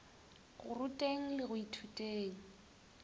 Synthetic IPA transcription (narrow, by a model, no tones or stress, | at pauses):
ɣʊ̰rʊtʼeŋ̩lɪɣʊitʰutʼeːŋ̩